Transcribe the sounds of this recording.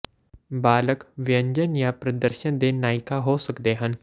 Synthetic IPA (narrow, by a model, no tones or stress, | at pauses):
baːləkʋɪjə̃ɲd͡ʒənjapɾɐd̪əɾʃənd̪enaːɪkaɦosəkd̪eɦən